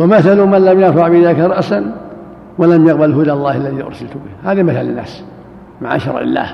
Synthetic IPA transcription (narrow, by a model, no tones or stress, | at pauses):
wamaθalumanlamjɑɾfaʕbɪʔɪðaːkaɾˤɑʔsan | walamjɑqbalɦʊd̪alˤːɑːhalːaðiːʔʊ̰ɾˤsalt̪ʊbɪhhaːðamɪθalɪnːa̰ːs | maʕa̰ʃɑ̰ɾˤʕɪ̰lːa̰ːh